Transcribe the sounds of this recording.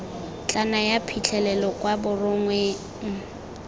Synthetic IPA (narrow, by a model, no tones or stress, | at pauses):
t͡ɬʼanajapʰit͡ɬʰɛlɛlɔkʼwabʊrʊŋwe | ŋ̩